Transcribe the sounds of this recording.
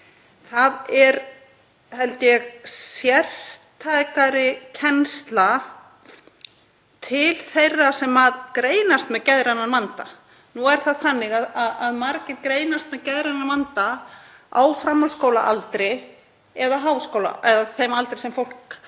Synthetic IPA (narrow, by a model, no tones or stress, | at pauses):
θaðɛɾ | hɛlt̪jɛɣsjɛr̥t̪ʰajkaɾɪcʰɛnst̪la | t̪ʰɪlθejrːasɛmaðkɾeːjnast̪mɛðcɛðɾanamant̪a | nuɛɾ̥θaðθanːɪɣaðaðaðmaɾcɪðkɾeːjnast̪mɛðcɛðɾanːamant̪a | awfɾamhɔlskoːwla̰ʔalt̪ɾɪ | ɛðaɦaːwskoːwla̰ʔɛðaθejmalt̪ɾɪsɛmfowl̥k